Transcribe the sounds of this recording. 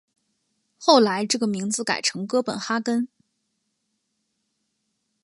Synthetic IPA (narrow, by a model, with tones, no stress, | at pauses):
xo˥˩ʊla˧˥ɪʈ͡ʂɤ˥˩ɡə˩mi˧˥ŋd͡zɹ̩˧ka̰˨˩ɪʈ͡ʂʰɤ˧˥ŋkɤ˥pə˨˩nxa˥kə˥n